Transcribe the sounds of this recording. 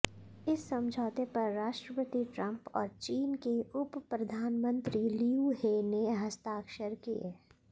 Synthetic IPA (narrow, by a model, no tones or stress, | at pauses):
ɪsːɐ̃md͡ʒʱɔːt̪epɐɾːaːʃʈɾəpət̪iʈɾɐ̃mpɔ̰ːɾt͡ʃiːnkeʊppɾɐd̪ʱaːnmə̃nt̪ɾiliuɦeːneɦɐst̪aːkʃəɾkieː